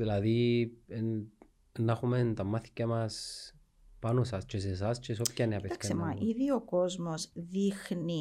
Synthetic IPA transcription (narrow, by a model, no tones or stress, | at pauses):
ðilɐðien | nːɐxument̪ɐmɐθi̥cːɐmɐs | pɐnosɐst͡ʃesesɐst͡ʃesopçɐneɐpeɐkssemɐʔiðio̞ko̞zmo̞zðixni